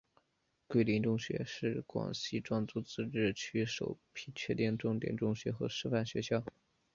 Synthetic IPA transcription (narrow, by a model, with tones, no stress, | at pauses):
kwe˥˩ɪli˧˥nʈ͡ʂʊ˥˧ŋɕɥɛ̰˧˥ʂɻ̩˥˩kwɑ̰˨˩ŋɕi˥˧ʈ͡ʂwɑ˥˧ŋt͡su˥˧t͡sɹ̩˥˧ʈ͡ʂɻ̩˥˩t͡ɕʰy˥ʂo̰˨˩ʊpʰi˥t͡ɕʰɥɛ˥˧t̪jɛ˥˧nʈ͡ʂʊ˥˩ŋt̪jɛ̰˨˩nʈ͡ʂʊ˥˩ŋɕɥɛ˧˥xɤ˧˥ʂɻ̩˥˧fa˥˩nɕɥɛ˧˥ɕjɑ˥˩ʊ